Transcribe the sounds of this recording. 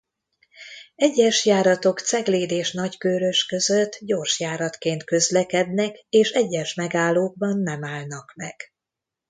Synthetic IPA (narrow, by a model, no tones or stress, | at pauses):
ɛɟːɛʃjaːɾɒt̪o̞kt̪sɛɡleːd̪eːʃnɒckøːɾø̞ʃkø̞zø̞t̪ːɟo̞rʃjaːɾɒt̪keːnt̪kø̞zlɛkɛd̪nɛkeːʃɛɟːɛʃmɛɡaːlːoːɡ̚bɒnːɛmaːlnɒkmɛɡ̥